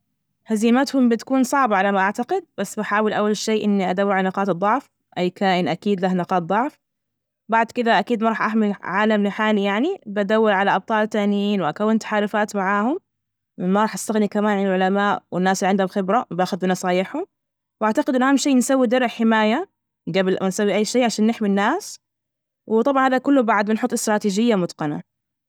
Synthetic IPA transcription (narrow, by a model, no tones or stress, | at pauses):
haziːmat̪hʊmbɪt̪kuːnsˤɑʕbɑʕalamaʔaʕt̪aqɪd̪̚basːbaħaːwɪlʔawːalʃeːʔɪnːiʔad̪awːɪʕalnɑqɑːt̪ɨd̪ˤːɑʕf | ʔajːkaːʔɪnʔakiːd̪lahnɑqɑːt̪̚d̪ˤɑʕf | baʕd̪kɪd̪aʔakiːd̪mɑɾˤɑːħʔaħmɪlʕaːlamlɪħaːlijaʕnibʔad̪awːɪɾʕalaʔɑb̚t̪ˤɑːlt̪aːʔnjiːnwɪʔakawːɪnt̪ḁħaːlʊfaːt̪maʕaːhʊm | mɪnmaɾˤɑːħʔast̪aɣnikamaːnʕanɪlʕʊlamaːʔwɪnːaːsliʕɪnd̪hʊlxɪbɾabaːxʊd̪bɪnɑsˤɑːjɪħhʊm | wʔaʕt̪aqɪd̪ʔɪnːʔahaːmʃeːnsawːid̪ɑɾˤɪħɪmaːja | ɡabɪlansawːiʔajːʃeːʕaʃaːnːɪħminːaːs | wɪt̪ˤɑbʕɑnhaːðakʊlːʊbaʕʊd̪̚bɪnħʊt̪ˤːɪst̪ɾˤɑːt̪iːd͡ʒɪjːamʊd̪qɑna̰